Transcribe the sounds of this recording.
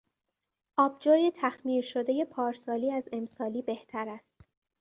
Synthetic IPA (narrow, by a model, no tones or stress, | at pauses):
ʔɒːb̚d͡ʒɒːjet̪ʰæxmiːɾʃo̞d̪e̞je̞pʰɒːɾsɒːliːæze̞msɒːliːbe̞ht̪ʰæɾæst̪